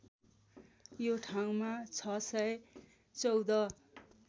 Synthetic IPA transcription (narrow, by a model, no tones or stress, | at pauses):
joʈʰaw̃mat͡sʰʌsʌj | t͡sʌwd̪ʌ